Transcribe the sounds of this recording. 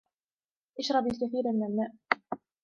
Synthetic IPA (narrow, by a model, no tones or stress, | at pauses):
ʔɪʃɾˤɑbɪlkaθiːɾmɪnʔalmːaːʔ